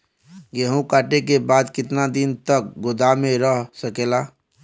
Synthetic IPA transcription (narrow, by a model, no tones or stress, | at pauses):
ɡeɦũkaːʈekebaːd̪kɪt̪nad̪ɪnt̪ək̚ɡʊd̪amẽɾəɦsəkeːlaː